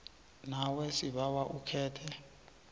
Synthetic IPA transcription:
nawɛsiɓawaʔukʰɛːtʰɛ

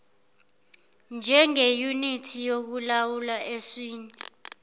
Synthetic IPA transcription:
nd͡ʒʱɛŋejunitʰijok̬ulawulaeswiːɲɛ

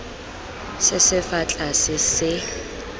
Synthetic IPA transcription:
sɪsɪfat͡ɬʼasɪsɪ

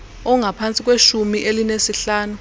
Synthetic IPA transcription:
ɔŋʱapʰant͡sʼik̬weʃumiʔelinesiɬaːnu

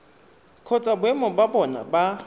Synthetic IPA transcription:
kʰɔt͡sʼabwɛmɔbabɔna̰ba

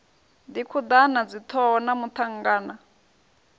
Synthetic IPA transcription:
d̪ikʰud̪anad͡zit̪ʰɔɔnamut̪ʰaŋ̩ɡaːna

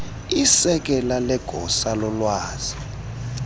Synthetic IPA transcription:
isɛk̬ʼɛlalɛɡ̥ʱɔsalɔlwaːz̥i̥

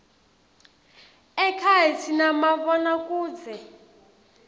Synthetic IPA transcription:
ɛkʰaɦitʰinamaβɔnakʼuːd͡zɛ

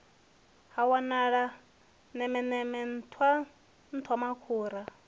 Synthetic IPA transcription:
hawanaɺa | nɛmɛnɛmɛn̩tʰwa | n̩tʰwamakʰuːɾa

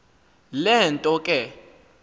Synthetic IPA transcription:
lɛntʼɔkʼɛ

